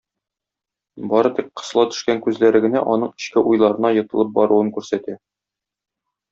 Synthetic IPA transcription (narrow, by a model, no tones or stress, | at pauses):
bɒɾɤt̪iqqɤ̥̆slˠɑt̪ɵ̥̆ʃkæŋkʉzlæɾɘ̆ɡɘ̆næ̰ʔɒnɤɴɘ̥̆ɕkɘʔujlˠɑɾɤ̆nɑjɤ̆t̪ɤ̆lˠɤp̚bɒɾuɤŋkʉɾsæt̪æ